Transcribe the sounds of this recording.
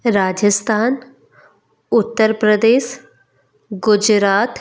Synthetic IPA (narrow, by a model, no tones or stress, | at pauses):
ɾaːd͡ʒəst̪ʰaːn | ʊt̪ːəɾpɾəd̪eːʃ | ɡʊd͡ʒɾaːt̪